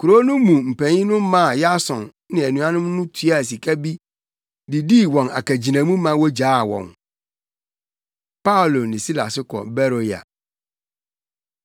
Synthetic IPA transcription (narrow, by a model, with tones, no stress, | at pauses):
kʰu˨ɾo˦nʊ̃˦mũ˨m̩˨pʰæ̃˨ɲĩ˦nʊ̃˦m˦mã˦˨ja˦sɔ̰̃˨n | nɪ̃˨æ˨nũ˨˦ã˦nʊ̃˦mnʊ̃˦tʰu˦a˨s̬i˨kʰa˦bi˦ | di˨di˦˨wɔ̃˨na̰˨kæ˨d͡ʑi˨nã˨mũ˦mã˦wɔ˦d͡ʑaː˦˨wɔ̰̃˨ŋ | pa˦o˨lo˨nɪ̃˨si˦la̰˨sɪ˦kʰɔ̰˨bɛ˦ɾo˨ja̰˨